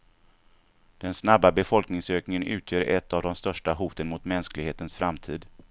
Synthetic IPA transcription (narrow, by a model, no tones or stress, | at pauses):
d̪̥ɛnsnabːabɛfɔlknɪŋsøːknɪŋənʉ̟ːt̪ʰjøːɾɛt̪ːavd̪ɔmst̪œʂʈaɦuːt̪ənmʊt̪mɛnsklɪɡheːt̪ənsfɾamt̪ʰiːd̪